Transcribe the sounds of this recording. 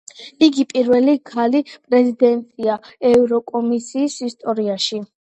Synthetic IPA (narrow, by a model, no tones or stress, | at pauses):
iɡipʼiɾvɛlikʰalipʼɾɛzid̪ɛnt̪ʼiaɛvɾɔkʼɔmisiːsist̪ʼɔɾiaʃi